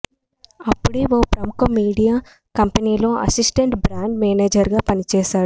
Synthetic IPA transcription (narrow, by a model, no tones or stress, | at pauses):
ɐpːuɽiʋoːpɾɐmukɐmiːɽijaː | kɐmpɐniːlo̞ːʔɐ̰sisʈeɳʈbɾaːɳɖmeːneːd͡ʒɐɾɡaːpɐnit͡ʃɛːʃaːɽu